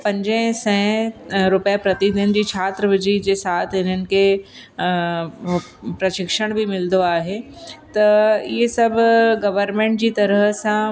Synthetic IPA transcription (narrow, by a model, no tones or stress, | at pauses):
pɐ̃ɲd͡ʑ̃sɛ̃ːɾʊpjapɾɐt̪id̪ɪn̆d͡ʑiːt͡ɕʰaːt̪ɾəʋɪd͡ʑid͡ʑeːsaːt̪ʰɪn̤ənɪ̆kʰe | pɾɐʃɪkʃəɽ̃bʱimɪld̪oaːɦe | t̪ɐɪɦesɐbʱʊɡɐʋəɾmẽːɳʈ̚d͡ʑiːt̪ɐɾəɦsã